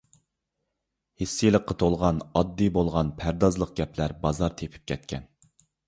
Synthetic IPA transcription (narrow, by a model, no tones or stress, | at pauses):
hisːɪjlˠəqːɑt̪ʰolˠʁɑnɑd̪ːibolˠʁɑnpʰæɾd̪ɑzlˠəq̚ɡʲɛplæɾbɑzɑɾt̪ʰepʰy̥p̚kʲʰɛt̪̚kʲʰɛn